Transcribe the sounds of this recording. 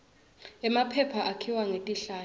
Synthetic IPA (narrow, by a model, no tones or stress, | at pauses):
ɛmapʰɛpʰaʔakʰiwaŋetʼiɬaː